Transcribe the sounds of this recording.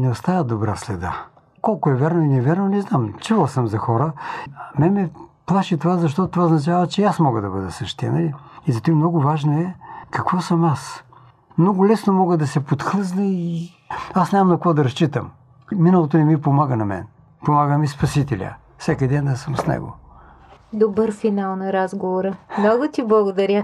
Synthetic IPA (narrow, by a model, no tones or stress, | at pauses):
nɛost̪avəd̪obɾa̰slɛd̪a̰ | kɔlˠkʊɛvʲɛɾnoinɛvʲɛɾnonɛznamt͡ʃɛvˠsəmzɐxɔɾəmɛnmɛplˠaʃit̪ovazɐʃ̬t̪ɔt̪ot̪vaoznɐt͡ʃavɐt͡ʃɛasmɔɡəd̪ɐbəd̪əsəʃt̪ɛ̰nɐliizɐt̪imnɔɡʊvaʒnoɛkɐkvɔsɐmas | mnɔɡʊlɛsnomɔɡəd̪ɐsɛpot̪xɤznəi | asnʲamɐmkɐkvɔd̪ɐɾɐst͡ʃit̪əmː | inɐlˠot̪̬onimipomaɡənɐmɛ̰n | pomaɡəmispɐsit̪ɛlʲə̰ | fsɛkid̪ɛnd̪ɐsəmsnɛ̰ɡo̰ | d̪obəɾfinalˠnɐɾazɡovoɾəmnɔɡʊt̪iblˠɐɡʊd̪ɐɾʲə